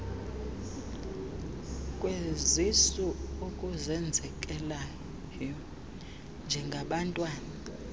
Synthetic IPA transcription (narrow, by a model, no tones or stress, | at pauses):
kʼwezisuukʼuzɛnd͡zʱɛkʼɛla | jjɔ | nd͡ʒʱɛŋɡʱaɓantʼwaːna